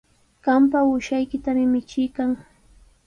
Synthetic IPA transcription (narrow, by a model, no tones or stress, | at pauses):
ɢ̥ampaʊʃajkɪt̪amɪmɪt͡ʃɪjkaŋ